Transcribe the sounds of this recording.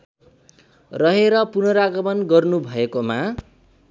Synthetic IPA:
rʌɦeɾʌpunʌɾaɡʌmʌnɡʌrnubʱʌekoma

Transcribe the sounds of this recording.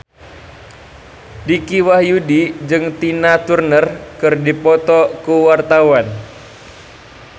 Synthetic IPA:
dikiwahjudid͡ʒɨŋt̪inat̪urnərkɨrdipɔt̪ɔkuwart̪awan

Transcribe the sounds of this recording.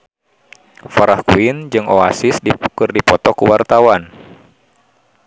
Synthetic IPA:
faɾahkuind͡ʒɨŋɔasisdikɨrdipɔt̪ɔkuwart̪awan

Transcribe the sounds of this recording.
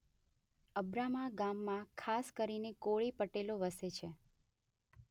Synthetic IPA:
əbɾamaɡamːãkʰaskəɾinekoɭipəʈeloʋəset͡ʃʰe

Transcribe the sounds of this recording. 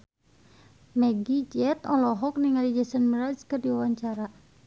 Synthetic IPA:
mɛɡid͡ʒɛt̪ɔlɔɦɔk̚niŋalid͡ʒəsənmiɾaskɨrdiawaɲt͡ʃaɾa

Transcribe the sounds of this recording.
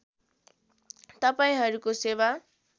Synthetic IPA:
t̪ʌpaĩɦʌɾukosewa

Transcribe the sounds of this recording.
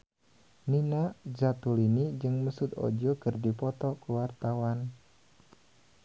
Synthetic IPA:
ninad͡ʒat̪ulinid͡ʒɨŋməsut̪ɔ̰d͡ʒɔkɨrdipɔt̪ɔkuwart̪awan

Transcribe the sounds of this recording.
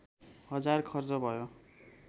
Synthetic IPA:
ɦʌd͡zarkʰʌrd͡zʌbʱʌjo

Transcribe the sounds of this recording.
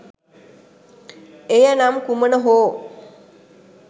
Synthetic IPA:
ejənamkumənəɦoː

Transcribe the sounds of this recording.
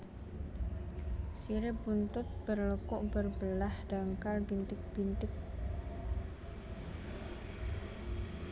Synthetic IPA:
siɾebunt̪ʊt̪̚b̥ərləkʊʔbərbəlahɖ̥aŋkalbint̪ɪk̚b̥int̪ɪk̚

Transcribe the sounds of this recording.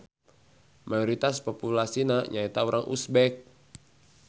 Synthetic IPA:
majɔɾit̪aspopulasinaɲait̪auɾaŋʔṵsbɛk̚

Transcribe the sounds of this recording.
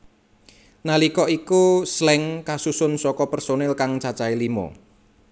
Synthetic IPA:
nalikɔikuslɛŋkasusʊnsɔkɔpɛrsonɛlkaŋt͡ʃat͡ʃailimɔ̰

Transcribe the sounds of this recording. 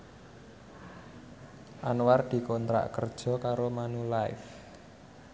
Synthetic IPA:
ʔanward̪̥i̤kɔnt̪ɾa̰ʔkərd̥ʒ̥ɔ̤kaɾomanulaɪ̰f

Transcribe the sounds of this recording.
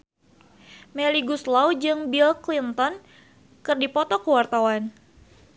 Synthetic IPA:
mɛliɡuslawd͡ʒɨŋbilklint̪ɔn | kɨrdipɔt̪ɔkəwart̪awan

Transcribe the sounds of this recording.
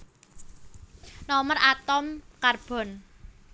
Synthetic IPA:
nɔmərʔat̪ɔmkarb̥ɔ̤n

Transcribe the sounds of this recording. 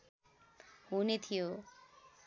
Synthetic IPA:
ɦunet̪ʰijo

